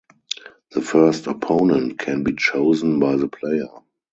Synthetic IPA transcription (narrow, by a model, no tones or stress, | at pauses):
ðəfɜ˞stɔpʰõʊ̃nə̃ntkʰɛ̃nbiːt͡ʃoʊzən̩baɪðəpʰleɪə˞